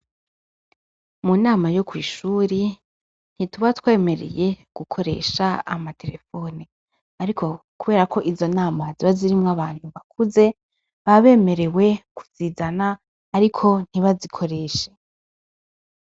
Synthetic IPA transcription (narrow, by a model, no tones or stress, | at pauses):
munaːmajo̞kwḭːʃuːɾi | n̥hituβatwe̞ːme̞ɾḛje̞ɡ̥ukʰo̞ɾe̞̰ʃaa̰matʰe̞ɾe̞fo̞ːni | aɾikʰo̞kuβe̞ːɾakʰo̞ʔizo̞naːmaziβaziɾimŋaβaːn̥huβakʰuze̞ | βaβe̞ːme̞ɾe̞we̞ku̥z̥iːzanaː | ɾikʰo̞n̥hiβazikʰo̞ɾe̞ːʃe